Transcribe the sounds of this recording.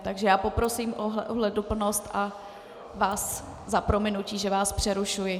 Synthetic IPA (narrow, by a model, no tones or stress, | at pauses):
t̪aɡʒɛjaːpo̞pɾo̞siːmʔoɦɛɦlɛdupl̩no̞st̪ʔa | vaːs | zapɾo̞mɪnuciːʒɛvaːspr̥ɛɾuʃujɪ